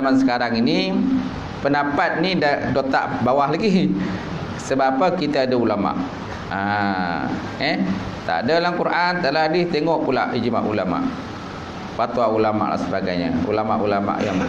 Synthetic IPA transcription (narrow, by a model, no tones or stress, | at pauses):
mansəkaɾaŋini | pəndapat̪̚nidadot̪a̰ʔbawahlaɡi | səbapəkit̪aːdaulama̰ʔ | a | ɛh | t̪a̰ʔdalakuɾʔant̪aʔlaɦadɪht̪eŋɔʔpula̰ʔid͡ʒma̰ʔulama̰ʔ | pat̪uaulama̰ʔla̰ʔsəbaɡajɲə̰ṵlama̰ʔulama̰ʔja̰ŋ